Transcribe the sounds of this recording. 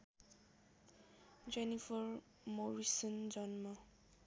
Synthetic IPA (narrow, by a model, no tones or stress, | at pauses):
d͡zenipʰʌr | moɾisʌnd͡zʌnma